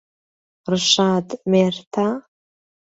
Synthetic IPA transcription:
rʂʷaːtʼmeːrtʰa

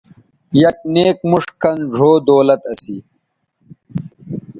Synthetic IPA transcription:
jɐk̚neːk̚muʂkɐnʐʱoːd̪oːlɐt̪ɐsiː

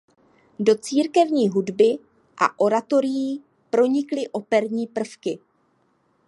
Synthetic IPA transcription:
do̞t͡siːɾkɛvɲiːɦudbɪ | ʔa̰ʔo̞ɾat̪o̞ɾɪjiː | pɾo̞ɲɪklɪʔo̞pɛɾɲiːpr̩fkɪ

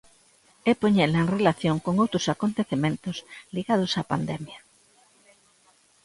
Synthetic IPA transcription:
epoɲɛlɐeŋrelaθjoŋkoŋowt̪ɾosakont̪eθemẽnt̪ʊsliɣað̞ʊsapand̪ɛmjɐ

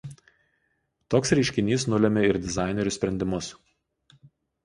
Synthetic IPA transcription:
t̪oːksɾʲɛɪʃʲkʲɪnʲiːsnʊlʲɛmʲɛɪɾd̪ʲɪzɑˑɪnʲɛɾʲʊsʲpʲɾʲɛnʲd̪ʲɪmʊs

